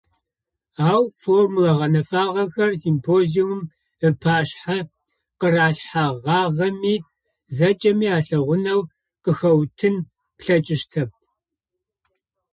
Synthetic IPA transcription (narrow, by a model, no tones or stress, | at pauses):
aːwformulɐʁɐnɐfaːʁɐxɐrsimpʰoːzijumʊm | ɨpʰaːɕħa | qəraːɬħaʁɑːʁɐmiː | zɐt͡ʃʼɐmiːaːɬɐʁʷʊnɐw | qəxɐwtʰɨn | pɬɐt͡ʃʼɪʃtʰɐp̚